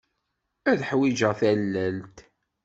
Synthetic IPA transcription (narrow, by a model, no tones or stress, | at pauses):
æðħwid͡ʒəʁθælːælt̪